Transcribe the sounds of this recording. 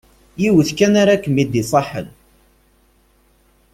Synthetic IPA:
jiwəθkænaɾakːəmid̪isˤɑħə̰l

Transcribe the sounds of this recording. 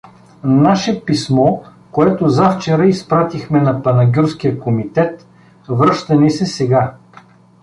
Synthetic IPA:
naʃɛpismɔkoɛt̪ʊzaft͡ʃɛɾəispɾat̪ixmɛnɐpɐnɐɡʲuɾsk̟ijəkomit̪ɛt̪ | vɾɤʃt̪ɐnisɛsɛɡa

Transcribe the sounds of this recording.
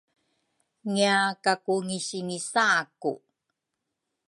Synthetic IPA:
ŋiakakuŋiɕiŋisakṵ

